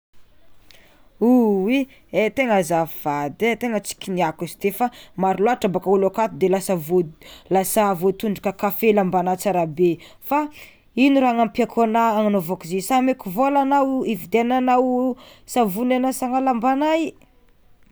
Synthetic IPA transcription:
uwi | et̪eŋəzavvad̪et̪eŋət͡si̥kʲiniakust̪efamaɾuloaʈ͡ʂabakaulakat̪ud̪elasavolasavot̪uɳɖ͡ʐu̥kəkafelambanat͡saɾabe | fa | iniɾaŋampakʰonaːŋanovokzisamekuvolanawivid̪eananaw | savunanasaŋalambanaj

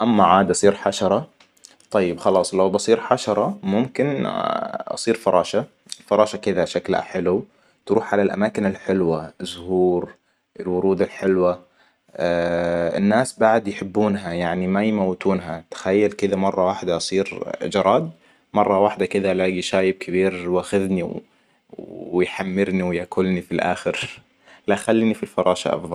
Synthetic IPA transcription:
ʔamːaʕaːd̪ʔɑsˤiːɾħaʃɑɾˤɑ | t̪ˤɑjːɪbxɑlɑːsˤlawbɑsˤiːɾħaʃɑɾˤɑmʊmkɪn | ʔɑ̰sˤiːɾfɑɾˤʔɑːʃa | fɑɾˤɑːʃakɪd̪aʃakla̰ħɪlu | t̪ɾuːħʕalalʔa̰maːkɪnɪlħɪlwaɪzːʊhuːɾ | ʔɪlwʊɾuːd̪ɪlħɪlwa | ɪ̰nːaːsbaʕd̪jħɪbːuːnɦajaʕnimajmawːɪt̪uːnɦat̪ḁxajːalkɪd̪amɑrˤːɑwaħd̪aʔɑsˤiːɾd͡ʒɑɾˤɑːd̪̚ | mɑrˤːɑwaħd̪akɪd̪alaːɡiʃaːjɪb̚kʰɪbiːɾwaːxɪðniw | ɪjħamːɪɾniwjakʊlnifilʔa̰ːxɪɾ | laʔxalːiːnifilfɑɾˤɑːʃa̰ʔɑ̰fðˤɑl

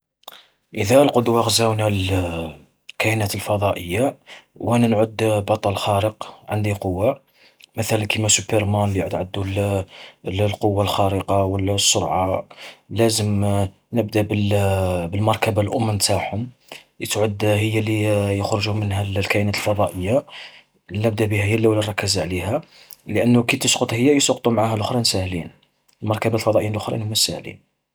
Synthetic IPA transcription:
ʔəðælqod̪waxzæwnæl | kæʔnæt̪əlfɑd̪ˤɑʔəjːawʔænænʕʊd̪bɑt̪ˤːɑlxæɾəqʕand̪iqowːa | mət̪ælənkəmæsupəɾmænlijʕʊd̪ʕəd̪ːul | llqowːalxæɾəqɑwəlːæsːʊɾʕɑlæzəm | nəbd̪abəlbəlmɑɾˤkæbalʔʊmːənt̪aħʊm | jət̪ʕʊd̪ɦəjːælijəxɾʊʒumənɦællkæʔnæt̪lfɑd̪ˤɑʔəjːa | nəb̚d̪æbihæhəjːælːæwlərˤːɑkːəzʕliɦæ | ləʔənːʊkit̪əsqət̪ˤhəjːæjəsɑqt̪ˤumʕahælʔʊxɾˤɑnsæhlin | lmɑɾˤkæbat̪lfɑd̪ˤɑʔəjːinəlʔʊxɾˤɑʔnhʊmːæsæ̰hlḭn

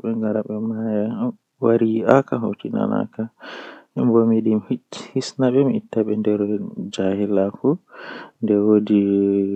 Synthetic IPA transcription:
ɓɛŋɡaɾaɓɛmaja | waɾiakaɦotina̰na̰ka | ɛmbomiɗimhihisnaɓɛmitːaɓɛndɛɾɔd͡ʒahilafundɛwodi

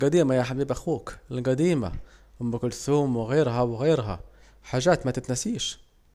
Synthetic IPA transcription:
ɡæd̪iːmajaħabiːbʔaxuːklɡad̪iːma̰hʊmːakʊlθuːmwɪɣeːɾɦawɪɣeːɾɦa̰ | ħaːʒaːt̪mat̪ɪt̪nasiːʃ

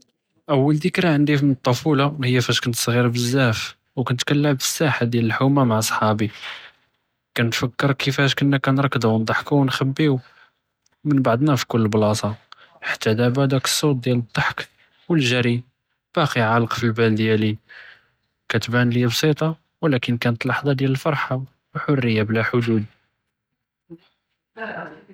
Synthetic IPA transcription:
ʔəwːəld̪əkɾaʕənd̪ifmənət̪ˤːɑfulɑhəjːæfæʃkənt̪sˤɣiɾbəzːæf | wkænət̪kælːəmfəsːaħad̪jæləlħumamaʕsˤħɑbi | kænt̪fəkːəɾkəfæʃkənːækænɾˤɑkːəd̪wənd̪ˤɑħkuwnxæbːiu | mənbɑʕd̪ˤnæfi̥kʊlːəlblɑsˤɑ | ħḁt̪ːæd̪æbæd̪ækə̥sˤːot̪̚d̪jæləd̪ˤːɑħk | wəlʒæɾi | b̥æqiʕɑlqfilbæld̪jæli | kæt̪bænləjæbsˤit̪ˤɑ | wlækənkænət̪lɑħd̪ˤɑd̪jæləlfɑɾˤħa | wħʊrːəjːablæħʊd̪ud̪

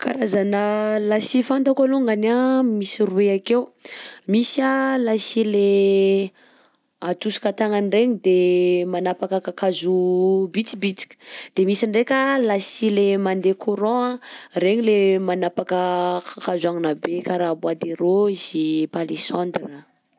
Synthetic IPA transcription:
kʰa̰ɾazanəlasifant̪akaluŋɡanamisirueakewmisalasile | at̪usu̥kat̪aŋanreɲid̪emanapakəkakazubit͡sibit͡si̥kʲə̥d̪̥emisiɳɖ͡ʐekʲalasilemand̪ekʰuɾɔ̃areɲilemanapakəkʰakazuaŋinabekaɾabuad̪eɾoiz̥ipalesãnd̪ra

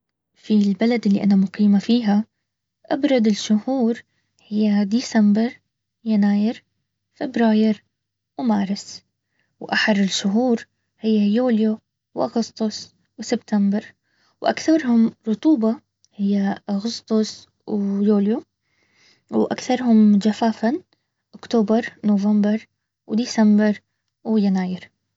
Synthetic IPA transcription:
filbalad̪ɪlːḭʔanamʊqiːmafiːɦa | ʔabɾˤɑd̪ɪlʃʊhuːɾ | hɪjːad̪iːsambɪɾ | janaːjɪɾ | fɪbɾaːjɪɾ | wmaːɾɪs | wʔaħɑɾˤɪlʃʊɦuːɾ | hɪjːajuːljo | wʔaɣʊst̪ˤʊsˤ | wsɪbt̪ambɪɾ | wʔa̰kθɑɾˤhʊmɾˤʊt̪ˤuːbɑ | hɪjːaʔaɣʊst̪ˤʊsˤ | wjuːlju | wʔa̰kθɑɾˤhʊmd͡ʒafaːfan | ʔʊkt̪oːbɑɾˤnovɑmbɪɾˤ | wd̪iːsambɪɾˤ | wjanaːjɪɾ

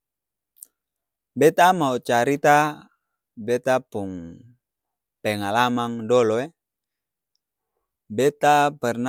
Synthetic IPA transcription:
bɛt̪amaut͡ʃaɾit̪a | bɛt̪apuŋ | pɛŋalamaŋdɔlɔe | bɛt̪apɛrn

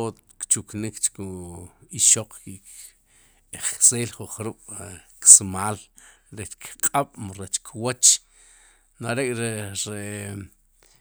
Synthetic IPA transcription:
o | kt͡ʃuknikt͡ʃkuiʃoq͡χkik | eχseːlχuχɾuɓ̥ksmaːl | ɾet͡ʃkʰqʼaɓ̥mɾet͡ʃkʰwat͡ʃ | naɾekʼɾeɾe

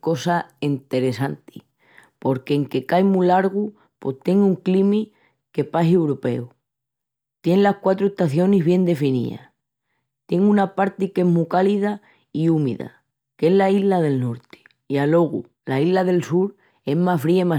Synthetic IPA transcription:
ko̞saint̪e̞ɾe̞sant̪i | po̞ɾkeːŋke̞kajmulaɾɣu | po̞st̪e̞ŋuŋklimi | ke̞pasewɾope̞̰u | t̪je̞nlahkwat̪ɾoe̞ht̪aθjo̞niɦβje̞nd̪e̞finḭa̰ | t̪je̞ŋũnapaɾt̪ike̞ɦmukaliða | iumḭða̰ | ke̞ɦlaiɦlaðe̞lno̞ɾt̪i̥ | ialo̞ɣ̞ṵ | laiɦlaðe̞lsuɾ | e̞mafɾiama

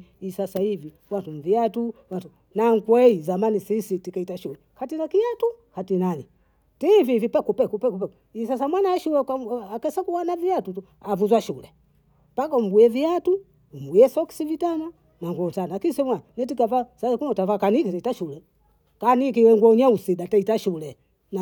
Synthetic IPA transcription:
isasaivi | wantum̩viatuwantu | naŋkwɛizamanisisitikaitaʃulɛkatinakiatuhatinani | tɛvivipakupɛkupɛkupɛku | isasamwanaʃulɛkaakɛsakuwanaviatutu | avuzwaʃulɛ | pakaum̩ɡujɛviatu | um̩ɡujɛsɔki̥sivitana | naŋɡɔtanakisɛmwanɛtikavasakunatavakanikitaitaʃulɛ | kanik̬iwɛŋɡwɔɲausiɗataitaʃulɛ | n

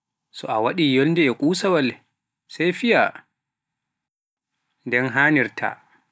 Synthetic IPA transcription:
sɔʔawaɗiːjoldɛɛkʼuːsawalɛ | sajfija | ndɛnɦaːniɾtʰa̰

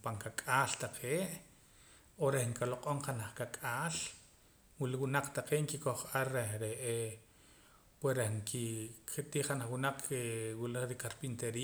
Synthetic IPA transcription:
paŋkakʼaːlt̪aqʰeːʔ | oɾehŋkaloqʼoɴqanaχkakʼaːl | wiliwunaq͡χt̪aqeːʔŋkikoχaɾeɾeʔe | pwesɾehŋkʰiket̪iːχanaχwunaq͡χkewiliɾikaɾpint̪eɾiː

